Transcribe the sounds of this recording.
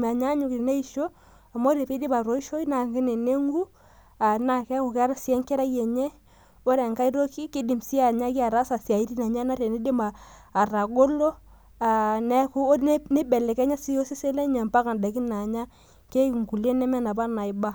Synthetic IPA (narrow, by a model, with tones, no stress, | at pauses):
ma˨ɲa˦ɲu˨kɾi˨ne˦i˦ʃo˦ | a˨mo˦ɾe˨pi˦di˦pa˨ɾo˨˦i˦ʃo˦i˦na˨ŋɡɪ˦ne˨ne˦ŋɡu˦ | a˨na˨kɛ˦ku˨ka˦ɾa˦sjɛ˦ŋkɛ˦ɾa˦jɛ˨ɲe˦ | o˦ɾɛ˨ŋka˦i˦ɾo˦ki˦kɪ˦di˨msi˦a˨ɲa˦ki˦a˨ɾa˦sa˨sja˨i˦ɾi˦na˨ɲa˦na˦ɾe˨ni˦di˦maː˨ɾa˨ɡo˦lo˦ | a˨nɛ˦ku˦n˦ne˦bɛ˨lɛ˨kɛ˦ɲa˦si˦jo˦si˦se˦lɛ˦ɲa˨mpa˦ka˨nda˨ki˦na˨ɲa˦ | ke˦kŋku˨lje˦nɛ˦mɛ˦na˨ba˦na˨i˦ba˦